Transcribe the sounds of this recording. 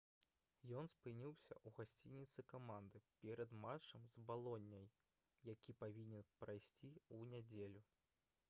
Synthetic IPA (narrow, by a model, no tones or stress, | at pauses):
jɔnspɨnʲiwsʲɐ̰ʔuɣasʲt͡sʲinʲit̪sɨkamand̪ɨpʲɛɾɐd̪mat͡ʂɐmzbalˠɔnʲːɐj | jakʲipavʲinʲɛnpɾajsʲt͡sʲiunʲad͡zʲelʲu